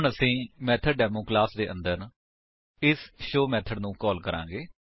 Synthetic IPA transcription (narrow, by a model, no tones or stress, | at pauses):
ʊɳəsĩːmɛːt̪ʰəɖɖɛːmoːklaːsd̪eːʔə̰̃nd̪əɾ | ɪsʃoːmɛːt̪ʰəɖnũːkɔːlkəɾã̰ːɡeː